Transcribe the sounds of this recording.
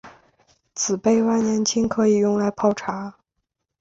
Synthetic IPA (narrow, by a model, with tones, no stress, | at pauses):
t͡sʰɹ̩˨˩pe˥˩ɪwa˥ɪnjɛ˧˥nt͡ɕʰi˥ŋkʰɤ˧˥i˨˩jʊ˥˩ŋla˧˥ɪpʰɑ˥˩ʊʈ͡ʂʰa˧˥